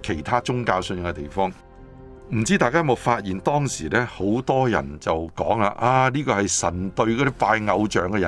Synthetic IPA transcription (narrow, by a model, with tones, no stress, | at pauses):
kʰe˨˩jt̪ʰaː˥t͡ʃʊ˥ŋkaː˧wsnjɪ˨ŋkɛ˧t̪e˨jfɔː˥ŋ | m̩˨˩t͡siː˥t̪aː˨jkaː˥mo˨wfaː˧t̚jiː˨nt̪ɔː˥ŋsiː˨˩lɛː˥ho˨˥wt̪ɔː˥jɐ̰˨˩nt͡sɐ˨wkɔː˨˥ŋlaː˧ʔaː˧liː˥kɔː˧hɐ˨jsɐ˨˩nt̪ɵ˧ɥkɔː˧˥d̪i˥paː˧jŋɐ˨˧wt͡ʃœː˨˥ŋkɛ˧jɐ̰˨